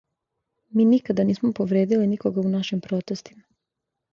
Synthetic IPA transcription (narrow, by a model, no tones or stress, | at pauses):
miːnikad̪aniːsmopo̞ʋɾeːd̪ilinikoɡaunaʃimpɾot̪est̪i̥ma